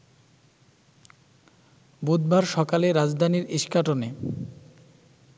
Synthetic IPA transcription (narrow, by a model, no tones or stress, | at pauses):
bud̪baɾʃɔkaleɾad͡ʑd̪ʱaniɾiʃkaʈone